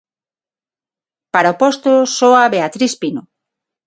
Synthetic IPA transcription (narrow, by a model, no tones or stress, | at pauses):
paɾaopost̪osoaβeat̪ɾispino